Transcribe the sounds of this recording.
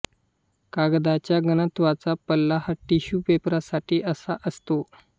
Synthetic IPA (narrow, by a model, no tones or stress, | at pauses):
kaɡd̪at͡ɕjaɡənət̪ʋat͡sapəlːahəʈːiɕuːpepɾasaʈiːʔəsaʔəst̪o